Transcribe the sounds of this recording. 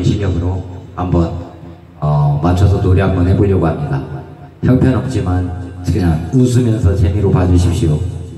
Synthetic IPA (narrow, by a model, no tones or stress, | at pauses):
ɕʰiʌɡɯɾohambʌn | ʌmant͡ɕʰʌs̬ʰʌtoɾiɦambʌnɦepoʎjʌɡohamɲida | çjʌŋpʰjʌnʌp̚t͡ɕ͈imankɯɲaŋus̬ʰɯmjʌnsʰʌt͡ɕemiɾopad͡ʑɯɕ̬ʰip̚ɕ͈iɾo